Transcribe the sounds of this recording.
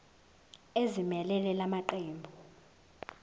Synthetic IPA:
ezimɛlɛlɛlamaǃeːmbʱu

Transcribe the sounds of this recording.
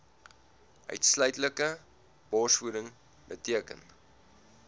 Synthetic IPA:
œ̰ɥtslœɥtləkə | b̥ɑːsfuɾəŋ | bətiəkə̰n

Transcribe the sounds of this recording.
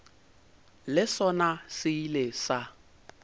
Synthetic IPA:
lɪsɔnasɪilesa

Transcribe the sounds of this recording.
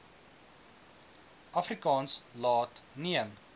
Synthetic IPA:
ʔɐfrikɑːnslɑːtniəm

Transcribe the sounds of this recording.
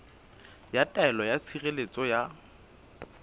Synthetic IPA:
jatʼaɛlɔjat͡sʰirelet͡sʼɔja

